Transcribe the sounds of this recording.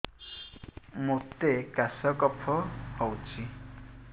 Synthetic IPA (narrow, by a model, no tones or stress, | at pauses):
mot̪ekasɔkɔpʰɔhɔwt͡ʃʰi